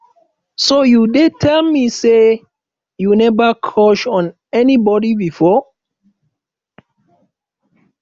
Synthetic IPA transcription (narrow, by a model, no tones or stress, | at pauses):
sojudetʰɛlmise | junɛvakʰɔʃɔ̃n | ɛnibɔdibifɔ